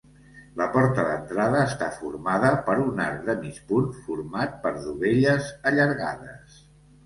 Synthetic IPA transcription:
ləpɔɾt̪əðə̰nt̪ɾaðəːst̪afuɾmaðəpəɾuna̰ɾk̚d̪əmit͡ʃpunfuɾmat̪̚pəɾðuβeʎəzəʎəɾɣa̰ðəs

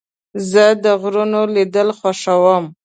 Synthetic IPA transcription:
zəd̪əɣɾunolid̪əlxwaʃawəm

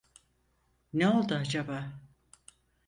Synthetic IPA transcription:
neo̞lˠd̪uad͡ʒabaː

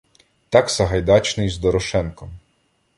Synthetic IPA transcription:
t̪ɑksɐɦɐjd̪ɑt͡ʃnɪjzd̪ɔɾɔʃɛnkɔm

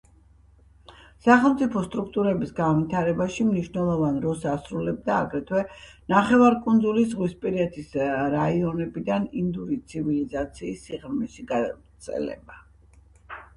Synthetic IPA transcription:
saχɛlˠmt̪sʼipʰɔst̪ʼɾukʰt̪ʼuɾɛbisɡanvit̪ʰaɾɛbaʃimniʃnɛlˠɔvanɾɔs̬asɾulɛb̚d̪aːɡɾɛt̪ʰwɛnaχɛvaɾkʼund̪zulis̬ʁwispʼiɾiɛt̪ʰisɾaiɔnɛbid̪anind̪uɾit̪sʰivilizat̪sʰiːsːiʁɾmiʃiɡatt̪sʰʼɛ̰lɛ̰ba

